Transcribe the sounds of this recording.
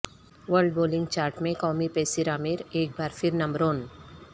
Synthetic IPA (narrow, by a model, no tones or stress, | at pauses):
ʋəɾɖboːlɪ̃ŋɡt͡ʃaːɾʈmẽkɔːmipɛːsiɾaːmɪɾeːk̚baːɾfʰɪɾnɐmbɾoːn